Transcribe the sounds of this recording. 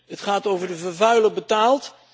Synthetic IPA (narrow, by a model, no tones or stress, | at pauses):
ɦətχaːtowvəɹdəvəɹvœɥləbətaːlˠt